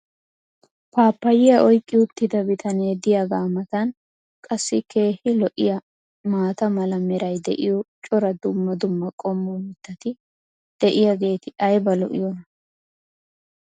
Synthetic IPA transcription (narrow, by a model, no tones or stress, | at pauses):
pʰaːpːɐjɪjɐʔɔjkʼːɪʊt̪ːɪd̪ɐbɪt̪ʰɐneːd̪ɪjɐɡaːmɐt̪ɐn | kʼɐsːɪkʰe̞ːhɪlɔʔɪ̰jɐ | maːt̪ɐmɐlɐmɛɾɐjd̪ɛ̰ʔɪjɔt͡ʃʼɔɾɐd̪ʊmːɐd̪ʊmːɐkʼɔmːɔmɪt̪ːɐt̪ɪ | d̪̥ɛʔɪjɐɡe̞ːt̪ɪʔɐjbɐlɔ̰ʔɪ̰jɔnɐ